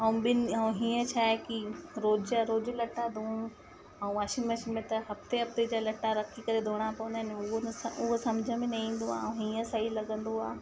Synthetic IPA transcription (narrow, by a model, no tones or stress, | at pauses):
ɐũɓɪnɐũɦĩːə̃t͡ɕʰaːekiɾoːd͡ʑɾoːd͡ʑɪlɐʈːad̪ʱũũ | ɛ̃ũʋaːʃimɐʃmẽt̪ɐɦɐft̪eɦɐft̪ed͡ʑaːlɐʈːaɾɐkʰikɐɾed̪ʱoːɽ̃apɐʋnaːɪnʊɦonʊɦosɐmd͡ʑʱəmẽnɐĩːn̆d̪oãːɦiːə̃sɐɦilɐɠə̃nd̪oaː